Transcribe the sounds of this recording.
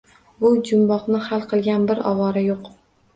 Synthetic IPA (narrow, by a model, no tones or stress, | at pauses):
bʊd͡ʒʊmbɒqnɪhalˠqʰɨlˠɡʲanbɪɾɒ̰vɒɾajoq